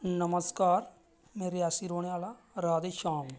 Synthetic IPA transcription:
nəməskaːɾ | meːɾeaːsiɾoːɽ̃eʋaːla | ɾaːd̪eʃaːm

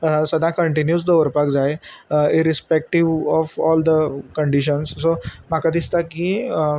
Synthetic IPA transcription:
səd̪ʱãkəɳʈinjuːd͡zd̪əʋəɾpakd͡zaeiɾispek̚ʈiʋɔfɔld̪əkəɳɖiɕənssomakad̪ist̪aki

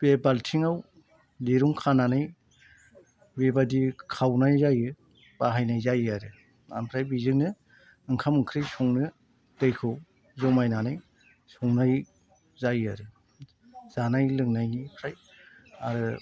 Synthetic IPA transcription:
b̥ebaltʰiŋaw | deɾuŋkʰananɯj | bebadikʰawnajzajɯ | b̥aɦajnajzajɯaɾɯ | a̰mpʰɾajbizɯŋnɯ | ɯŋkʰamɯŋkʰɾɯjsɔŋnɯ | d̥ɯjkʰɯw | zɔmajnanɯj | sɔŋnaj | zajɯaɾɯ | z̥anajlɯŋnajnipʰɾaj | aɾɯ

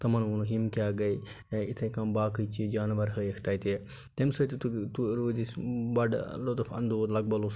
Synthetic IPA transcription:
t̪ɐmɐnunuɦimkʲaːɡɐj | it̪ʰɐkɐmbaːkɨjt͡ʃid͡ʒaːnʋɐɾɦəekʰt̪aːjt̪e | t̪emsɐt̪it̪ut̪uɾoːd̪isbɐɖlot̪upʰɐ̰nd̪ud̪lɐɡ̚bɐlos

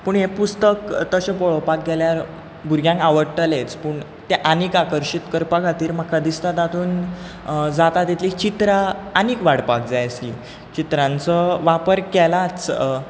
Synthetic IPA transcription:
puːɳɦepust̪əkt̪əɕepɔɭopak̚ɡʱeljaɾ | buɾɡʱjãŋkaʋəɾʈəlet͡spuːɳ | t̪eʔanikakəɾɕit̪kəɾpakʰat̪iːɾm̤akʰad̪ist̪at̪at̪ʰuːn | d͡zat̪at̪it̪ʰliːt͡ɕit̪ɾaːnikʋaɽpak̚d͡zajəslḭː | t͡ɕit̪ɾãnt͡səʋapəɾkɛlat͡s

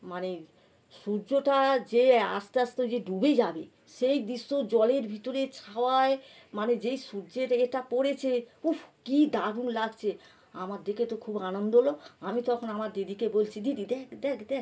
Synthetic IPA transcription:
mane | ʃuɾd͡ʑoʈad͡ʑea̰st̪ast̪od͡ʑeɖubed͡ʑabe | ʃejd̪iʃːod͡ʑɔleɾbʱit̪oɾet͡ɕʰaoae | maned͡ʑejʃuɾd͡ʑeʈaeʈapoɽet͡ɕʰeufkid̪aɾunlaɡt͡ɕʰe | amaɾd̪eket̪okʰubanond̪oɦloamit̪ɔkʰonamaɾd̪id̪ikebolt͡ɕʰid̪id̪id̪ɛkd̪ɛkd̪ɛk

